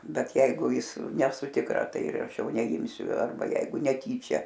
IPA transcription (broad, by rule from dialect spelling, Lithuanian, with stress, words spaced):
ˈbʲɛt ˈjɛɪɡʊ ˈjɪs nʲɛˈsʊ tʲɪkˈrɐ ˈtɐɪ ɪr ˈɐʃ ˈjɛʊ nʲɛˈɪmʲsʲʊ ˈɐrbɐ ˈjɛɪɡʊ nʲɛˈtʲiːt͡ʃʲɛ